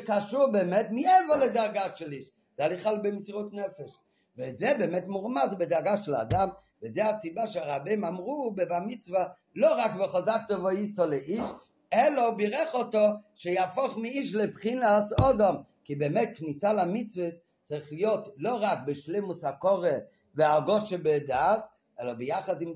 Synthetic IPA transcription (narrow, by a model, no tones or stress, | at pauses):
ʃkaʃuʁbɛmɛtmiɛvəledaʁɡaʃɛliʃ | z̥ɛaliχalbɪmt͡siʁutnɛfɛʃ | vɪzɛbɛmɛtmuʁmazbɪdaʁɡaʃɛla̰dam | vɪzɛat͡sibaʃeaʁabemamʁubbamit͡sva | loʁakvɪχɔzak̚tɔvɔisɔleʔiʃ | ɛlɐbɪʁɛχɔtɔʃejafɔχmɪiʃ̬lɪpχinasɔdɔm | kibɛmɛt̚knisalamit͡svəs | t͡saɾiχlijotloʁak̚bɪʃlemushakɔʁe | vɪaɡɔʃebɪdaːs | ɛlɐbɪjaχadɪm